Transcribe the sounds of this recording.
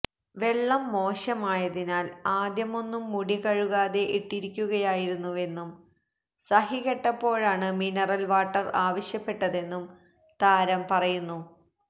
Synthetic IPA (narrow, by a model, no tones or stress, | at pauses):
ʋe̞ɭːɐmːo̞ːɕɐmaːjɐðinaːlaːd̪jɐmo̞nːumːuɽiɣɐɻuɣaːðe̞ʔiʈːiɾikʲːuɣɐjaːjiɾunːuʋe̞nːum | sɐɦiɣeʈːɐpːo̞ːɻaːɳɨminɐrɐlʋaːʈːɐraːʋɐɕjɐpːe̞ʈːɐðe̞nːum | t̪aːɾɐmpɐrɐjunːu